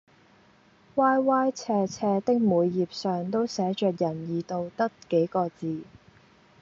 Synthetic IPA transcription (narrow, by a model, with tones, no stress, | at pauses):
waː˥jwaː˥jt͡sʰɛː˧t͡sʰɛː˧t̪ɪ˥k̚muː˨˧jːiː˨p̚sœː˨ŋt̪o˥wsɛː˨˥t͡ʃœː˨k̚jɐ˨˩njiː˨˩t̪o˨˧wt̪ɐ˥k̚ke˨˥jkɔː˧t͡siː˨˧